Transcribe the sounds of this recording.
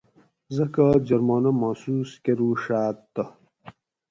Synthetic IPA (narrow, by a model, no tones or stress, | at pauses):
zɐkad͡ʑɐɾmaːnɐmaːsuːskeɾuʂaːt̪ːɐ